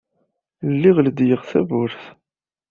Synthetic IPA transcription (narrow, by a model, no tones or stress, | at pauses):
lːiʁld̪jəʁθævʊɾθ